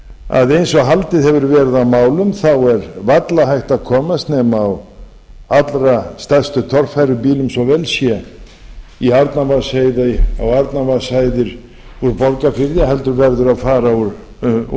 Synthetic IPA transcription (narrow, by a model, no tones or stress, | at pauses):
a̰ðejnsɔɣɦalt̪ɪðhɛvʏɾvɛːɾɪðawmaːwlʏmθawɛɾvat̪laɦajht̪aðkʰɔːmast̪nɛːmaːw | at̪lɾast̪ast̪ʏt̪ʰɔr̥fajɾʏpiːlʏmsɔvɛːlsjɛ | iaɾt̪navasajðaawaɾt̪navasajðɪɾ̥ | uɾpɔɾkafɪɾðjaɦɛlt̪ʏɾvɛɾðʏɾaðfaːɾauɾ